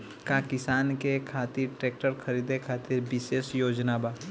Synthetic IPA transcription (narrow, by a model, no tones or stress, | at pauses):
kakɪsaːnkekʰaːt̪ɪɾʈɾeːk̚ʈəɾkʰɐɾiːd̪ekʰaːt̪ɪɾbɪʃeːʃjoːd͡ʒnabaː